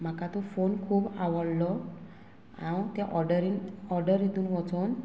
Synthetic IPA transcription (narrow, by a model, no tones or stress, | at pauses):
m̤akat̪ɔfonkʰuːbaʋəɽlɔ | ã̰wt̪aʔɔɾɖəɾinɔɾɖəɾjet̪uːnʋɔt͡son